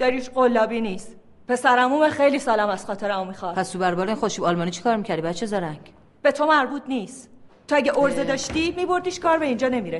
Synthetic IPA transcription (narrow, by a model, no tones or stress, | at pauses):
d̥̪ɒɾiʃɢolːɒːbiːniːst̪ | pʰe̞sæɾæmumæxejliːsɒːlæmæz̥xɒːt̪ʰeɾæmomixɒːɾpʰæst̪ʰubæɾbɒːɾeinχoʃibɒːlmɒːnit͡ʃʰi̥kʰɒːɾmiːcʰæɾd̪ibæt̪t͡ʃʰːezɒɾæŋɡ | b̥e̞t̪ʰo̞mæɾbuːd̪niːst̪t̪ʰoæɟeʔoɾzed̪ɒːʃt̪imiːbo̞ɾd̪iːʃkʰɒːɾbeind͡ʒɒːne̞miɾe